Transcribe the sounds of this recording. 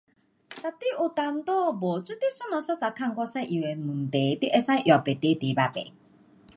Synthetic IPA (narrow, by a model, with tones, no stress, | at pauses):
t̪a˨ti˦ʔʊ˨ta˨n̩˦tɔ˦˨bo˨t͡su˦t̪e˦sʊ˦nɔ˨˦sa˦sa˨kʰa˦˨ŋ̩˦kʷɔ˦sɛ˦ʔi˨we˨mũ˨n̩˨te˨˦ti˦ʔɛ˦sã˦ʔjɔ˨pe˨te˨˦te˨˦ba˦bḛ˨